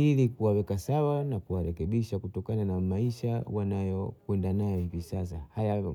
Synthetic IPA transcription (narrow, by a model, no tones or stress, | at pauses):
ilikuwawɛkasawanakuwaɾɛkɛɓiʃakutɔkananamaiʃawanajɔkwɛndanajɔhivisas̬ahaja